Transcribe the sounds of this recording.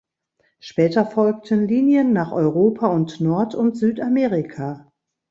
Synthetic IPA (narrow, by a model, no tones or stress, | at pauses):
ʃpɛːtɐfɔlk̚tənliːnjənːaːχʔɔʏʁoːpʰaʊntnɔɐtʰʊntz̥yːtameːʁɪkʰaː